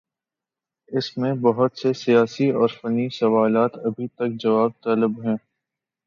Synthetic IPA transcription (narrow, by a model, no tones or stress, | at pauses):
ɪsmẽbɐɦʊt̪sesijaːsiɔːɾfɐnisɐʋaːlaːt̪ɐbʱit̪ɐk̚d͡ʒɐʋaːb̚t̪aːlɪbɦɛ̃ː